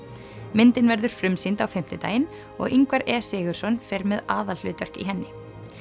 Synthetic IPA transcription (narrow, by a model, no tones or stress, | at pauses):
mɪnt̪ɪnvɛɾðʏɾ̥fɾʏmsint̪awfɪm̥t̪ʏt̪a̰ːjɪn | ɔ̰ɣiŋkvaɾɛːsɪːɣʏɾ̥sɔnfɛɾmɛðaːðal̥ʏ̰ːt̪œr̥kḭɦɛnːɪ